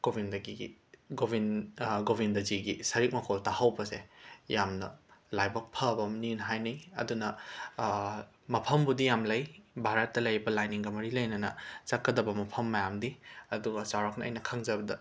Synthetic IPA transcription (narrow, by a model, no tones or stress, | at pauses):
kobindɐɡiɡobinɡobindɐziɡisɐɾik̚mɐkʰoltahawbɐsejamnɐ̰lajbɐk̚pʰɐbɐmninɦajnɐjɐ̰dunɐ | mɐpʰɐmbudijamlɐjbʱaɾɐt̚ːɐlɐjbɐlajniŋɡɐmɐɾilɐjnɐnɐ̰t͡ʃɐkːɐdɐbɐmɐpʰɐmːɐjamdiɐduɡɐsawɾɐk̚nɐɐ̰jnɐkʰɐŋzɐbɐdɐ̰